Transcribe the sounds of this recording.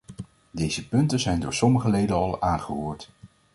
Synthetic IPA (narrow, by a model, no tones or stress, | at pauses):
dejzəpɵntənzɛjndʊːɹsɔməχəlejdənɑlˠaːnχəɦoːɹt